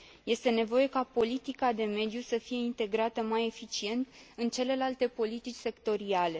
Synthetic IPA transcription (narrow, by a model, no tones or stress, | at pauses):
je̞st̪e̞ne̞vo̞je̞kapo̞lit̪ikad̪e̞me̞d̪jusəfije̞int̪e̞ɡɾat̪əmaje̞fit͡ʃie̞nt̪ɨnt͡ʃe̞le̞lalt̪e̞po̞lit̪it͡ʃʲse̞kt̪o̞ɾiale̞